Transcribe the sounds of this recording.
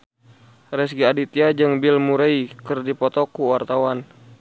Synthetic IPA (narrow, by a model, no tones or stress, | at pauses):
rɛs̬ɡiadit̪iad͡ʒɨŋbilmuɾeikɨrdipɔt̪ɔkuwart̪awan